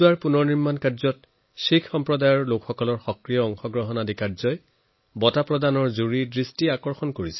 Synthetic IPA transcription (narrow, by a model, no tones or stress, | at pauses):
aɹpunɔɹniɹmankaɹzɔt̚ | sikʰxɔmpɹɔdajɔɹlokxɔkɔlɔɹxɔkɹijɔɔŋxɔɡɹɔɦɔnadikaɹzɔj | bɔtapɹɔdanɔɹzuɹidɹistiakɔɹxɔnkoɹisɛ